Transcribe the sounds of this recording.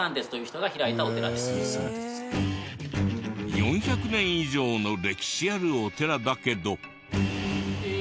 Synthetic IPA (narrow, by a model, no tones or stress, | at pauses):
ãnd̪esɨ̥t̪o̞jɯ̟ːçi̥t̪o̞ɡaçiɾait̪ao̞t̪e̞ɾa̰d̪es | jõ̞ɰ̃çakɯ̟nẽ̞ɰ̃iʑo̞ːno̞ɾe̞kʲi̥ɕiaɾɯ̟ot̪e̞ɾad̪ake̞d̪o̞